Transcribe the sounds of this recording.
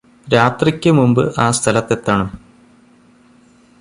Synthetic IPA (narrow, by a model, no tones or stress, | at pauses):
ɾaːt̪rikʲːɨmumbɨʔaːst̪ʰɐlɐt̪ːe̞t̪ːaːɳɨm